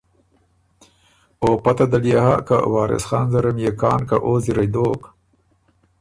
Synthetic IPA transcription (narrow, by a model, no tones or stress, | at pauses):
oːpat̪ad̪aljahaka̰wɑːɾɪ̰sxɑːnzaɾamjekɑːnka̰ʔoːziɾajd̪oːk